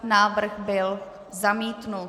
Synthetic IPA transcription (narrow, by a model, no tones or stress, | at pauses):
naːvr̩ɣbɪl | zamiːt̪nu